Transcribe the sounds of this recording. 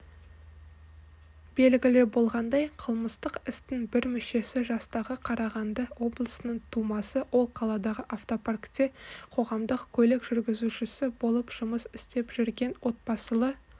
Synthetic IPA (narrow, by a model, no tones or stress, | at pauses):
b̥e̞lɡʲɪlɪbo̞lˠʁɑnd̪ɑjqʰəlˠməst̪əqɪst̪ɪŋbɪɾmʏʃe̞sɪʒɑst̪ɑʁəqʰɑɾɑʁɑnd̪əwo̞blˠəsənəɴt̪ʰumɑsəwʔo̞lˠqʰɑlˠɑd̪ɑʁəʔaft̪o̞parkt̪ʲːe̞qʰo̞ʁɑmd̪əqkʲʰɵlekʒ̥ʏɾɡʲɪzuʃɪsɪbo̞lˠəpʒ̥ʊməsɪst̪e̞pʒ̥ʏɾɡʲe̞nwo̞t̪̚pɑsəlˠə